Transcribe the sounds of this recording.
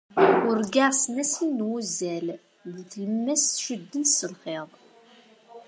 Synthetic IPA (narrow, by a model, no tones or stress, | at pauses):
ʊɾɡaʁsnæsinːwuzæl | ðθləmːæsθʃəd̪ːənsəlχeðˤ